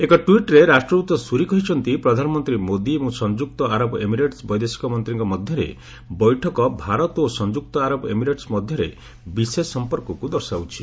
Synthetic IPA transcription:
ekɔʈuiʈɾeɾasʈɾɔɾut̪ɔsuɾikɔɦit͡ʃʰɔnt̪ipɾɔd̪ʱanɔmɔnt̪ɾimod̪imũsɔnd͡ʒuk̚t̪ɔaɾɔbʔemiɾeʈsbɔjd̪esi̥kɔmɔnt̪ɾiŋkɔmɔd̪ʱjɔɾḛ | bɔjʈʰɔkɔbʱaɾɔt̪osɔnd͡ʒuk̚t̪ɔaɾɔbemiɾeʈsmɔd̪ʱjɔɾe | bisesɔmpɔɾkɔkud̪ɔɾsawt͡ʃʰi̥

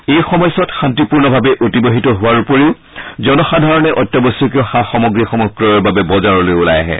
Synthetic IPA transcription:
ejxɔmɔjsɔtxantipuɹnɔbʱabɛʔotiboɦitɔɦʊwaɹupoɹeʊ | zɔnɔxadʱaɹɔnɛʔɔtːɔboskeʊxaxɔmɔɡɹiaxɔmɔkɹɔjɔɹbabɛbɔzaɹɔlojula̰ja̰ɦɛ̰

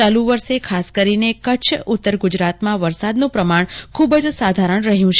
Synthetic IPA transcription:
alũʋəɾʃekʰaskəɾinekət͡ʃʰʊt̪ːəɾɡud͡ʒɾat̪mãʋəɾsad̪nũpɾəmaɳkʰubəd͡ʒsad̪ʱaɾəɳɾəɦjũt͡ʃʰ

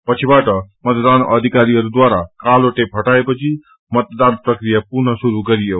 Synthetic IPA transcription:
pət͡ʃʰibaʈəmət̪d̪anə̰d̪ʱikaɾiɦəɾud̪waɾakaloʈepʰəʈaepət͡ʃʰi | mət̪̚d̪anpɾəkɾijapuɾnəsuɾuɡəɾijo

